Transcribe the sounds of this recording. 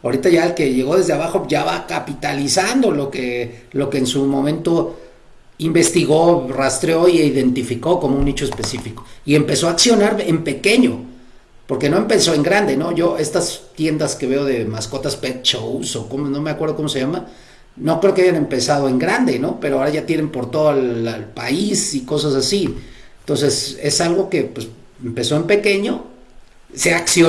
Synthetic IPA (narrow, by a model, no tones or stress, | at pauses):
aoɾit̪aʝaelke̞ʝe̞ɣo̞ðe̞zðaβaxo̞ʝaβakapit̪alisand̪o̞lo̞kelo̞ke̞ːnsumõ̞mẽ̞nt̪o̞ | imbe̞st̪iɣo̞rast̪ɾeo̞iiðe̞nt̪ifiko̞ko̞mounit͡ʃo̞espe̞sifikoie̞mpe̞so̞aksjo̞naɾempe̞ke̞ɲo̞ | po̞ɾke̞no̞empe̞so̞e̞ŋɡɾand̪e̞no̞ʝo̞ʔe̞st̪ast̪je̞nd̪aske̞βeoðe̞maskot̪aspet͡ʃousokomonomeakweɾð̞oko̞moseʝama | no̞kɾeokeaʝanempesað̞o̞eŋɡɾand̪e̞no̞peɾoaoɾaʝat̪jenempoɾt̪oðoalpaisiko̞s̬asasint̪ons̬e̞se̞salɣo̞ke̞pwes | empe̞so̞empe̞keɲo | seaksjo